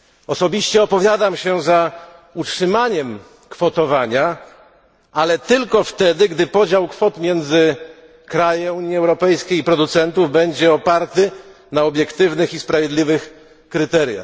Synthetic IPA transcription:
ɔsɔbʲiɕt͡ɕɛɔpɔvʲjad̪amɕɛza | utʂɘmaɲɛm | kfɔt̪ɔvaɲa | alɛt̪ɘlkɔft̪ɛd̪ɘɡd̪ɘpɔd͡ʑawkfɔt̪mʲjɛnd̪zɘ | kɾajɛ̃uɲiɛwɾɔpɛjskʲejipɾɔd̪ut̪sɛnt̪uvbɛɲd͡ʑɛɔpaɾt̪ɘnaɔbʲjɛkt̪ɘvnɘxispɾavʲjed̪lʲivɘx | kɾɘt̪ɛɾʲja̰x

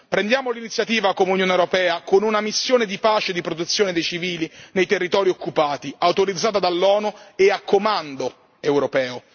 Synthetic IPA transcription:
pɾend̪jaːmolinit̪sːjat̪iːvakomeunjoːnewɾopɛːakonunamisːjoːned̪ipaːt͡ʃed̪ipɾot̪et̪sːjoːned̪ejt͡ʃiviːlinejt̪erːit̪ɔːɾiokːupaːt̪iawt̪oɾid̪zːaːt̪̬ad̪alːɔːnueakʰːomand̪o | ewɾopɛːo

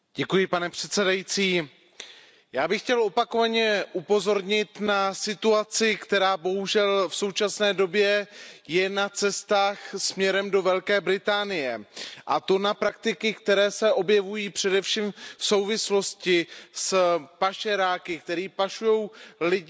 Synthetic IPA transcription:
ɟɛkujɪpanɛpr̥ɛt̪sɛdajiːt͡siː | jaːbɪxcɛlʔo̞pakovaɲɛʔupo̞zo̞ɾɲɪt̪nasɪt̪uat͡sɪkt̪ɛɾaːbo̞ɦuʒɛlfso̞wt͡ʃasnɛːdo̞bjɛjɛnat͡sɛst̪aːxsmɲɛɾɛmdo̞vɛlkɛːbɾɪt̪aːnɪjɛʔa̰t̪o̞napɾak̚t̪ɪkɪkt̪ɛɾɛːsɛʔo̞bjɛvujiːpr̝̥ɛdɛfʃiːmfso̞wvɪslo̞scɪspaʃɛɾaːkɪk̚t̪ɛɾiːpaʃujo̞wlɪɟ

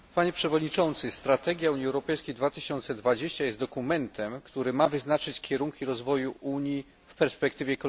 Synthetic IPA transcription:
paɲɛpʂɛvɔd̪ɲit͡ʂɔnt̪sɘst̪ɾat̪ɛɡʲjauɲiɛwɾɔpɛjskʲejd̪vat̪ɘɕɔnt̪sɛd̪vad͡ʑeɕt͡ɕajɛst̪d̪ɔkumɛnt̪ʰɛmkt̪uɾɘmavɘznat͡ʂɘt͡ɕkʲɛɾuŋkʲiɾɔzvɔjuʔuɲji | fpɛɾspɛkt̪ɘvʲjɛkɔ

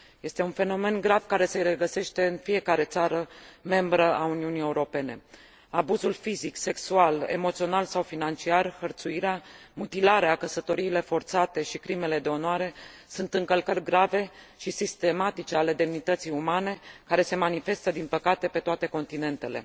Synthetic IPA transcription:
je̞st̪e̞unfe̞no̞me̞nɡɾavkaɾe̞seɾeɡəse̞ʃt̪e̞ɨnfije̞kaɾe̞t̪saɾəme̞mbɾəauniunije̞uɾo̞pe̞ne̞ | abuzulfizikse̞ksuale̞̰mo̞t̪sio̞nalsawfinant͡ʃiarhərt̪suiɾeamut̪ilaɾeakəsət̪o̞ɾiːle̞fo̞rt̪sat̪e̞ʃikɾime̞le̞d̪e̞o̞noaɾe̞sunt̪ɨŋkəlkərʲɡɾave̞ | ʃisist̪e̞mat̪it͡ʃe̞ale̞d̪e̞mnit̪ət̪sijumane̞kaɾe̞se̞manife̞st̪əd̪inpəkat̪e̞pe̞t̪oat̪e̞ko̞nt̪ine̞nt̪e̞le̞̰

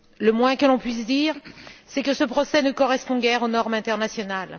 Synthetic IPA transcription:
ləmwɛ̃kəlɔ̃pɥis̬d̪iːʁsɛkəsəpχɔsɛnəkɔʁɛspɔ̃ɡɛʁonɔʁmɛ̃t̪ɛʁnasjɔnal

